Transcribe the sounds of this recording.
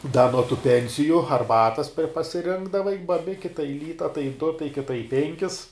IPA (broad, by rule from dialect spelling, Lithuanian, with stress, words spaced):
dɐ nuɔ tuː ˈpʲɛnʲsʲɪjʊ ɐrˈbɑːtɐs pʲɛr pɐsʲɪˈrʲɪŋɡdɐʋɐɪ bɐˈbʲɪkʲɪ tɐɪ ˈlʲiːtɐ tɐɪ dʊ tɐɪ kʲɪˈtɐ ɪ ˈpʲɛŋʲkʲɪs